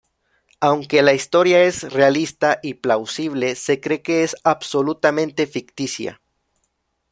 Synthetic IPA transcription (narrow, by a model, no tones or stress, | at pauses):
awŋke̞laist̪o̞ɾjae̞zrealist̪aʔiplawsiβle̞se̞kɾe̞ke̞esaβso̞lut̪amẽnt̪e̞fikt̪isja̰